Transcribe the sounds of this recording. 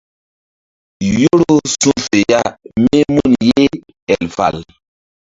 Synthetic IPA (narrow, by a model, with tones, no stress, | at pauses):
jo˦ɾo˦su˦fe˨ja˦me˦mu˦˨nje˦ | ɛ˨lfa̰˨l